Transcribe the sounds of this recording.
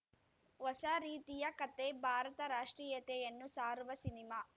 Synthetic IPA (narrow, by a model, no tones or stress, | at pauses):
ʋɐsaɾiːt̪ijɐkɐt̪ːebʱaːɾɐt̪ɐɾaːʂʈɾiːjɐt̪ejɐnːusaːɾuʋɐsinimaː